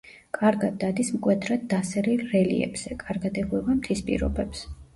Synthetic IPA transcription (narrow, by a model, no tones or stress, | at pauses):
kʼaɾɡad̪̚ːad̪ismkʼwɛd̪ɾad̪̚ːasɛɾilɾɛlḭɛ̰bz̥ɛkʼaɾɡad̪ɛɡwɛvamt̪ʰispʼḭɾɔ̰bɛps